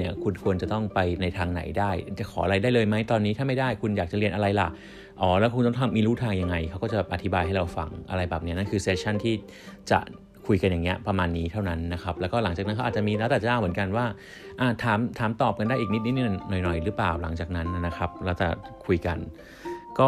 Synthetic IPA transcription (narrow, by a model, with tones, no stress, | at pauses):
ni˥˩ɐkʰu˧nkʰu˧ənt͡ɕa˨˩t̪ɔ˥˩ŋpa˧jna˧jt̪ʰaː˧ŋna̰˩˦jdaː˥˩jt͡ɕa˨˩kʰɔː˩˦a˧ɾa˧jdaː˥˩jlɤː˧jma˦˥jt̪ɔː˧nːiː˦˥t̪ʰaː˥˩ma˥˩jdaː˥˩jkʰu˧njaː˨˩k̚t͡ɕa˨˩ɾi˧ənʔa˧ɾa˧jla̰˨˩ʔ | ʔɔː˩˦lɛː˦˥kʰu˧t̪ɔ˥˩ŋt̪ʰa˧mːiː˧luː˥˩t̪ʰaː˧ŋja˧ŋːa˧jkʰa˦˥wkɔː˥˩t͡ɕa˨˩ɛ˨˩ʔa˧t̪ʰi˦˥baː˧jɦa˥˩jɾa˧wfa̰˧ŋʔa̰˧ɾa˧jbɛː˨˩p̚ni˦˥ɐna˥nkʰɯː˧seː˦˥t̪̚t͡ɕʰa˥˩nt̪ʰiː˥˩ | t͡ɕa̰˨˩ʔ | kʰu˧jka˧nja˨˩ŋi˦˥ɐpɾa˧maː˧nːiː˦˥t̪ʰa˥˩wna˦˥nːa˦˥kʰa˦˥p̚lːwkɔː˥˩la˨˩˦ŋt͡ɕaː˨˩kna˦˥nka˦˥aː˨˩t͡ɕa˨miː˧lɛː˧˦˥wt̪ɛ˨˩t͡ɕa˧˥˧wmɯ˩˦ənka˧nwaː˥˩ | ʔaː˧˩t̪ʰaː˩˦mt̪ʰaː˩˦mt̪ɔː˨˩p̚ka˧ndaː˥˩jʔiː˨˩ni˦˥t̪̚n̚˦˥ni˧˥˩nɔ˨˩jnɔ˨˩jɾɯː˦˥plaː˨˩wla̰˩˦ŋt͡ɕaː˨˩k̚na˦˥n˧˩na˦˥xʰa˦˥p̚lɛː˦˥wt͡ɕa̰˨˩kʰu˧jka˧n | kɔː˥˩